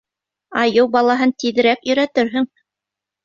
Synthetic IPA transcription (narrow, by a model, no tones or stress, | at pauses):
ɑjɤwbɑlˠɑɦɤnt̪iðɘ̆ɾækjɵ̆ɾæt̪ɘɾɦɵŋ